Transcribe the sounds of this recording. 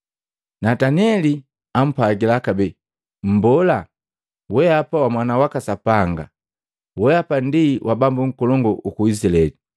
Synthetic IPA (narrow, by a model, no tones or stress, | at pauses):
nataniɛli | am̩paɡilakabɛ | m̩bɔla | wɛapawamwanawakasapaŋɡa̰ | wɛapandiwʔabambuŋ̩kɔlɔŋɡɔʔukuisilɛli